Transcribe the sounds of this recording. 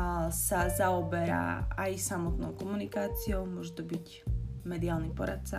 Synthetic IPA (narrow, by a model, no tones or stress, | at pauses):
sazaɔbɛɾa̰ʔajsamɔt̪nɔʊkɔmunikaːt͡siɔʊmʊɔʒɛt̪ɔbic | mɛd̪iaːlnipɔɾa̰t̪̚t͡sa